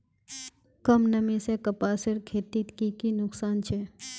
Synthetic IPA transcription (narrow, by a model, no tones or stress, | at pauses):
kɐmnɐmĩsekɐpaːsɪɾkʰeːt̪iːt̪kikinʊksaːnt͡ʃʰe